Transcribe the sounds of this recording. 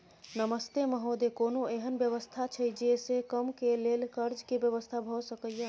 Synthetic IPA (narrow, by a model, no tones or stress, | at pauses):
nəməst̪eməɦod̪ekonoeɦənbjəβəst̪ʰat͡ʃʰəjd͡ʒesekəmkelelkəɾd͡ʒkebjəβəst̪ʰabʱɔsəkəjə